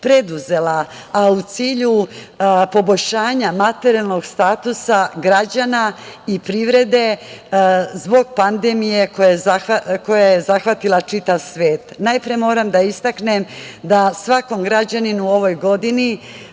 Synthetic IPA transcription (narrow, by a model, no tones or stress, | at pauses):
pɾe̞d̪uze̞laː | ut̪siːʎu | po̞bo̞ʎʃaːɲamat̪eɾialˠno̞ɡst̪aːt̪usaɡɾad͡ʑanaipɾiʋɾe̞d̪e̞ | zbo̞ɡ̚pand̪e̞mije̞kojaaako̞jajezaxʋat̪ilˠat͡ʃit̪aʋsʋe̞ːt̪najpɾiemo̞ːɾamd̪aist̪aknemd̪asʋako̞mɡɾad͡ʑaninuo̞ʋo̞jɡo̞d̪ini